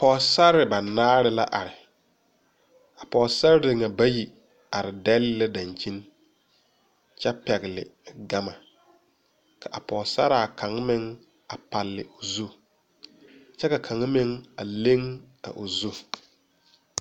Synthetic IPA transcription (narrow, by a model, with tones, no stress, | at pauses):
pɔː˨sa˦ɾɪ˨ba˨naː˦ɾɪ˦la̰˦ʔa˨ɾɪ˨ | a˨pɔː˨sa˦ɾɪ˦dɪ˨ŋa˨ba˦ji˨ | a˨ɾɪ˨dɛ˦lːɛ˦da˨nt͡ʃi˦n | t͡ʃɛ˦pɛ˨ɣɪ˨lɪ̰˨ɡa˦ma˨ | ka˨ʔa˨pɔː˨sa̰˦ɾa˨kʰa˨ŋ˦mɪ˦ŋ | a˨pa˨lːɪ̰˨ʔʊ˨zu˦ | t͡ʃɛ˦ka˨kʰa˨ŋ˦mɪ˦ŋa˨le˦ŋ | a̰˨ʔʊ˨zu˦